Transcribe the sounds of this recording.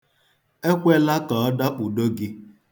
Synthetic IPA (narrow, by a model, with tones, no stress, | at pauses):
e˦kʷe˦la˦kɔ˨ɔ˦da˦k͡pu˨do˦ɡɪ˦